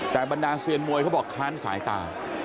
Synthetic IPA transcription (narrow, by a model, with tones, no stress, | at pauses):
t̪ɛː˨˩ba˧ndaː˧si˧ənmu˧əjkʰa˦˥˩bɔː˨˩kʰːaː˦˥nsa̰ː˩˦jt̪a̰ː˧˩